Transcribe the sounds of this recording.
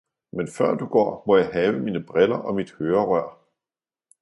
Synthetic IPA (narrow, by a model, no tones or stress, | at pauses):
menfɶɐ̰d̥uɡ̥ɒ̰ːmɒ̽jɑ̈ɪhɛːʊəmiːnəb̥ʁɛlɐʔɒ̽mid̥høːɐʁœɐ̰